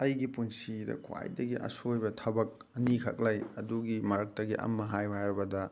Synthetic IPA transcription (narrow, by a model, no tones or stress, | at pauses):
ɐjɡipunsidɐ̰kʰwa̰jdɐɡiʔɐ̰sojbɐtʰɐbɐk̚ | ɐnikʰɐ̰k̚lajɐduɡimɐɾɐk̚tɐɡiʔɐ̰mːɐɦajwajɾbɐdɐ